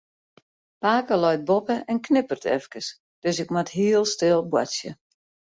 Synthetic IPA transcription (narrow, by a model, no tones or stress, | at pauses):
paːkəlɔjt̚bopəʔɛnknɪpərtʰɛ̰fkəs | d̥øsɪkmatɦiəlˠstɪlˠbwa̰sjə̰